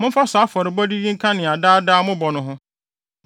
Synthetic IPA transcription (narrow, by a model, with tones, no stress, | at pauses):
mʊ̃˦fa˦sa˦fɔ˨ɾɪ˨bɔ˦di˦ji˦ŋ̩˦kʰã˦nɪ̃˨a˨daː˦daː˦mʊ̃˦bɔ˨nʊ̃˨ɦʊ̃˦